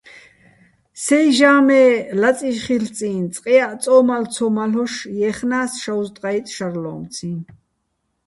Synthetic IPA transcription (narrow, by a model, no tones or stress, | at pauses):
sɛjʒaːmɛːlat͡sʼiʃχilt͡sʼiːnt͡sʼqʼijaʔt͡sʼɔːmalt͡sʰɔmalɔʃjɛːχnaːsʃawzt̪ʼqʼajt̪ʼʃaɾlɔ̰ːmt͡sʰiːn